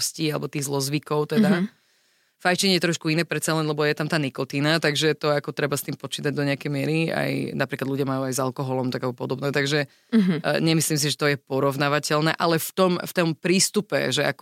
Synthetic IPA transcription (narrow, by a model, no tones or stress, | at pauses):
sciːalɛ̰bɔt̪iːɣzlɔzʋikɔʊt̪ɛd̪a | fajt͡ʃiɲɛjɛt̪ɾɔʃkuinɛːpɾɛt̪salɛnlɛbɔjɛt̪amt̪aːnikɔt̪iːnat̪aɡʒɛt̪ɔakɔt̪ɾɛbast̪iːmpɔt͡ʃiːt̪aɟ̚d̪ɔɲɛakɛjmɪɛɾia̰jnapɾiklad̪lʎuɟɪamajuajzalˠkɔɦɔlɔmt̪aɡabɔpɔd̪ɔbnɛt̪aɡʒɛ | ɲɛmisliːms̬iʒɛt̪ɔjɛpɔɾɔʋnaʋacɛlnɛːʔalɛft̪ɔmft̪ɔmpɾiːst̪upɛ̰ʒɛa̰k